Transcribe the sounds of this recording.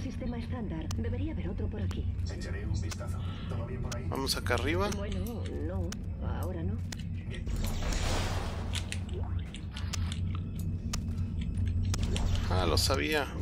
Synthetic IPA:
sist̪emaest̪and̪aɾd̪eβeɾiaβeɾowt̪ɾopoɾakieɾeumbist̪at̪oβiɾaiba̰mosakariβabweno | nõŋ | a̰oɾanõŋ | alo̰saβia

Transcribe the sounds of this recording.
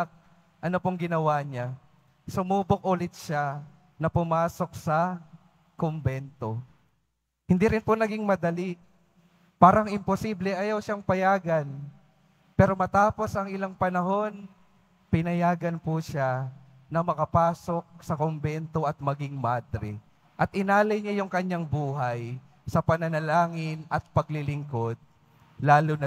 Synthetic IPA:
k̚ | ʔɐnopoŋɡɪnɐwaɲa | sʊmuːbok̚ʔʊlɪt̪̚ʃa | nɐpʊmaːso̞k̚sɐ | kombɛnt̪o̞ | hɪnd̪iɾɪnponɐɡiŋmɐd̪ɐli | paːɾɐŋɪmposiblɛʔɐjawʃaŋpɐjaːɡɐn | pɛːɾo̞mɐt̪aːpo̞sʔɐŋʔɪlaŋpɐnɐɦo̞n | pɪnɐjaːɡɐnpʊʃa | nɐmɐkɐpaːso̞k̚sɐkombɛnt̪o̞ʔɐt̪̚mɐɡɪŋmad̪ɾɛ | ʔɐt̪̚ɪnaːlɐjɲajʊŋkɐɲːaŋbuːɦaj | sɐpɐnɐnɐlaːŋɪnɐt̪̚pɐɡlɪlɪŋko̞d̪̚ | laːlonɐ

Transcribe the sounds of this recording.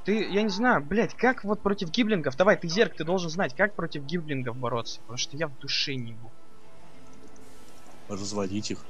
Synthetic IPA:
t̪ɨjanʲɪznajʊblʲætʲkakvo̞t̪̚pɾo̞tʲɪfɡʲiblʲɪnɡəfd̪ɐvajt̪ɨzʲerk̚t̪ɨd̪o̞lˠʐɨnznatʲkak̚pɾo̞tʲɪfɡʲiblʲɪnɡəfbɐɾo̞t̪sə̥pət̪ɐmuʂt̪ojavd̪ʊʂɛnʲɪbu | rəzvɐdʲitʲix

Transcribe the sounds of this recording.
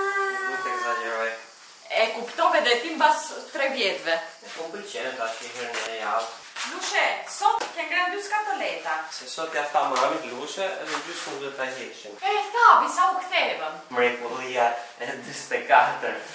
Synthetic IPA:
mɛt̪ɛɡzaɲɛɾɔj | ɛkupt̪ɔvɛd̪ɛt̪imbast̪ɾɛvjɛt̪vɛɛkɔmbəlt͡ʃɛnt̪aʃkɛvɛɾnɛjalˠ | luʃɛsɔt̪kɛŋɡɾand̪yskat̪ɔlɛt̪asɛsɔt̪jaft̪amamit̪luʃɛɛðɛd̪ysuɛt̪aɡɛʃinɛθavisaukt̪ɛvəmmɾɛkulˠiaɛd̪ist̪ɛkat̪əɾ

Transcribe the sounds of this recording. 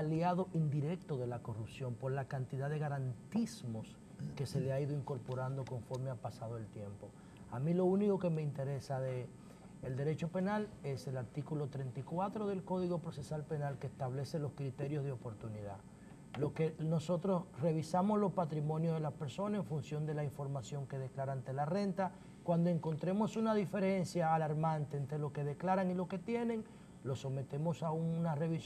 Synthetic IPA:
aljaðo̞ʔind̪iɾe̞k̚t̪o̞ðe̞lako̞rupsjo̞mpo̞ɾlakant̪iðaðe̞ɣaɾant̪ismo̞s | ke̞se̞leaiðo̞iŋko̞ɾpo̞ɾand̪o̞ko̞ɱfo̞ɾmeapasað̞oelt̪je̞mpo̞ | amĩlo̞uniko̞ke̞me̞int̪e̞ɾe̞saðeː | ld̪eɾe̞t͡ʃo̞pe̞nale̞se̞laɾt̪ikulo̞t̪ɾe̞nt̪ikwat̪ɾo̞ðe̞lko̞ðiɣo̞pɾo̞se̞salpe̞nalkest̪aβle̞se̞lo̞skɾit̪e̞ɾjo̞zðeo̞po̞ɾt̪uniða | loke̞no̞so̞t̪ɾo̞sre̞β̞isamo̞slo̞spat̪ɾimõ̞njoðelaspe̞ɾso̞nase̞ɱfunsjo̞nd̪e̞laiɱfo̞ɾmasjo̞ŋke̞ð̞eklaɾaant̪e̞lare̞nt̪a | kwand̪o̞e̞ŋko̞nt̪ɾe̞mo̞sunaðife̞ɾe̞nsjaːlaɾmãnt̪e̞ːnt̪ɾe̞lo̞ke̞ðe̞klaɾaŋilo̞ke̞t̪je̞nẽ̞ŋ | lo̞so̞me̞t̪e̞mo̞saunare̞βis

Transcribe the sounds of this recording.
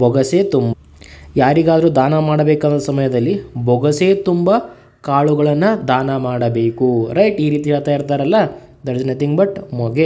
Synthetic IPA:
bʱɔɡɐseːt̪umbɐ | jaːɾiɡaːd̪ɐɾuːd̪aːnɐmaːɽɐbeːkaːnt̪ːɐsɐmɐjɐd̪ɐlːibʱɔɡɐseːt̪umbɐ | kaːɭuɡɐɭɐnːɐd̪aːnɐmaːɽɐbe̞ːkuɾɐjʈiːɾiːt̪iɦɛːɭɐt̪aːjiɾt̪aːɾɐlːɐ | d̪ɐɾd͡ʒnɐt̪iŋɡbɐʈmɔɡe

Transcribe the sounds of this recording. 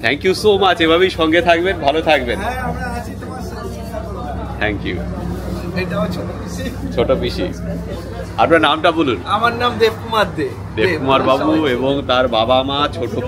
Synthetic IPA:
t̪ʰɛŋkjusomat͡ɕebʱabejʃɔŋɡet̪ʰak̚benbʱalot̪ʰak̚benmad͡ʑit̪epa | t̪ʰɛŋkjṵ | eat͡ɕʰoʈobiʃit͡ɕʰoʈobiʃḭ | a̰pɾanamʈabolunamaɾnamd̪ebkumaɾd̪e | d̪ekumaɾbabueboŋt̪aɾbabamat͡ɕʰoʈo

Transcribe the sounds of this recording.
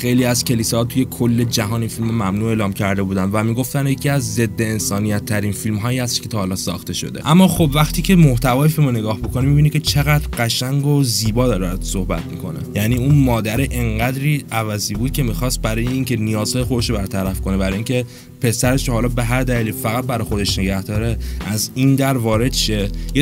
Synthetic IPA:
xejliːæzcʰe̞liːsɒːht̪ʰuje̞kʰolːe̞d͡ʒæɦɒːninfilmomæmnuːe̞ːlɒːmcʰæɾd̪e̞buːd̪ænd̪væmiːɡo̞ft̪ænjecʰiːæzːe̞d̪ːeːnsɒːnijæt̪ʰːæɾiːnfilmɦɒːjihæst̪e̥ʃkʰe̞t̪ɒːhɒːlɒːsɒ̰ːxt̪e̞ʃo̞̰d̪e̞ʔæmːɒːxo̞bvæχt̪ʰiːcʰe̞moht̪ʰævɒːjefilmone̞ɡɒːhbokonimibinicʰʲe̞t͡ʃʰe̞ɣæd̪ɾɢæʃæŋɡoziːbɒːd̪ɒːɾebɾd̪sohbæ̰t̪̚mḭkʰo̞̰nḛjæniːunmɒːd̪æɾiʔeŋɢæd̪ɾiːʔævæziːbuːd̪̥̚cʰe̞mixɒst̪̚bæɾɒːjeiːŋcʰe̞nijɒːz̥hɒːjexo̞d̪e̞ʃɾobæɾt̪ʰæɾæfkʰo̞ne̞bæɾɒːjiːŋcʰe̞ | pʰe̞sæɾe̞ʃɾohɒːlɒːbe̞ɦæɾd̪æliːlifæɣæt̪̚bæɾɒːjxod̪e̞ʃne̞ɟæhd̪ɒːɾeʔæzind̪æɾvɒːɾe̞d̪ʃeje

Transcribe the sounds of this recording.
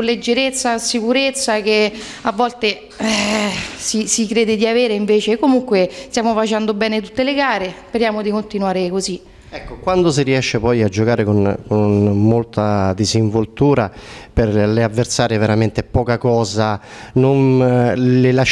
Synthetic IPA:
lːed͡ʒːeɾet̪sːasikuɾet̪sːak̟e | avːɔlt̪e | ɛsisikɾeːd̪ed̪iaveːɾeiɱveːt͡ʃekomuŋkwest̪jaːmofat͡ʃɛnd̪obɛːnet̪ut̪ːeleɡaːɾespeɾjaːmod̪ikont̪inwaːɾekozi | ɛkːokwand̪os̬iriɛʃːepɔjad͡ʒːokaːɾekonkonmolt̪ad̪iziɱvolt̪uːɾaperlɪavːersaːɾeveɾament̪ɪpɔːkakɔːzanon | lɪlaʃ

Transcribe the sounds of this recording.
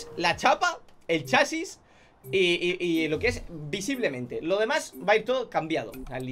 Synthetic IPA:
slat͡ʃapae̞lt͡ʃasis | iʔilo̞kee̞sbisiβle̞mẽ̞nt̪elo̞ð̞e̞mazbaiɾt̪oðokambjað̞oal

